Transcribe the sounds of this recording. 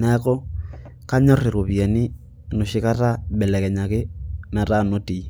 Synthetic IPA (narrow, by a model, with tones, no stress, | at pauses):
na˦kɔ˦ | ka˦ɲɔ˦re˨ɾo˨βi˨a˨ni˦ | no˨ʃi˦ka˦ta˦ɓɛ˨lɛ˨kɛ˨ɲa˨ke˦na˨ta˦˨no˦ti˨